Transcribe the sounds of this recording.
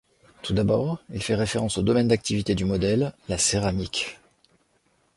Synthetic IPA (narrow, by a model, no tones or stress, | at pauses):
t̪ud̪abɔːʁilfɛʁefeʁɑ̃sod̪ɔmɛnd̪ak̚t̪ivit̪ed̪ymɔd̪ɛlːaseʁamik